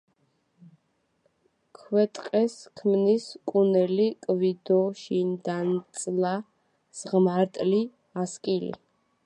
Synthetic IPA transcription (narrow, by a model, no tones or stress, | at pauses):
kʰwɛt̪ʼqʼɛskʰmniskʼunɛlikʼvid̪ɔʃind̪ant̪sʼla | z̥ʁmaɾt̪ʼli | askʼilḭ